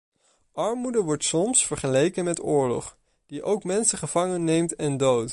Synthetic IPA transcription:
ʔɑɹmudəʋɔɹtsɔmsfəɹχəlejkənmɛtʊːɹlɔ̰χ | d̥iʔowkmɛnsəχəv̥ɑŋənːejmtɛndowt

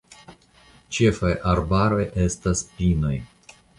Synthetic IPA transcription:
t͡ʃefajʔaɾbaɾo̞jʔe̞staspino̞j

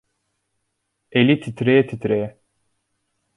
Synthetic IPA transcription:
elit̪ʰit̪ɾeːt̪ʰit̪ɾeː

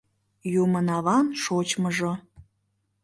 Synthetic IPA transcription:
jumənɑβɑnʃot͡ɕməʒo

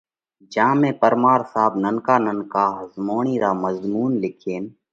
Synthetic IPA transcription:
d͡ʒãːmẽːpəɾmaːɾsaːbnənkaːnənkaːɦəzmoːɳ̃iːɾaːməzmuːnlɪkʰeːn

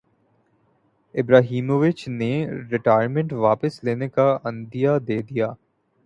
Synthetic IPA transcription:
ɪbɾaːɦiːmoːʋɪt͡ʃneɾɪʈaːɪəɾmẽɳʈʋaːpəsleːnekaɐ̃nd̪ijad̪eːd̪ijaː

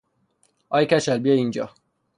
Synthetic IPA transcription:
ɒjkæʃælbijeind͡ʒɒ̰ː

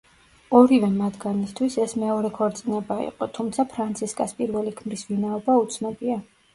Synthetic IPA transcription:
ɔɾivɛmat̪ɡanist̪ʰwisɛsmɛɔɾɛkʰɔɾt̪sʼinɛbaḭqʼɔt̪ʰumt̪sʰapʰɾant̪sʰiskʼaspʼiɾvɛlikʰmɾisvinaɔbaut̪sʰnɔbia

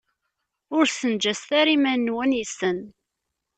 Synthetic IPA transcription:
ʊɾsənd͡ʒæst̪æɾimænnːwænisən

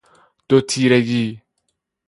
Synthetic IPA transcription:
d̪̥ot̪ʰiːɾeɡiː

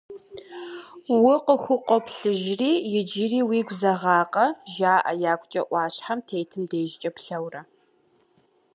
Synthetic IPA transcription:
wʊqəxʷʊqʷʼɔpɬɨʒriːjɪd͡ʒiriːwiːɡʷzɐʁɑːqʼɐʒaːʔɐjaːkʷʰʼt͡ʃʼɐʔʷɑːɕʼħamtʰeːjtʰɨmdeːʒɪt͡ʃʼɐpɬɐwrɐ

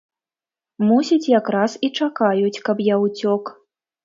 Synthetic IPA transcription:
musʲit͡sʲjakɾasit͡ʂakajut͡sʲkɐpjawt͡sʲɔk

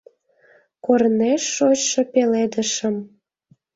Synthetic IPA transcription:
korneʃːot͡ɕʃɤ̆peled̪əʃə̆m

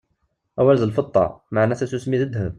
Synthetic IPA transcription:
ʔæwælzəlfət̪ˤːɑ̰maʕnæsæt̪ʊsmːiðəd̪həm

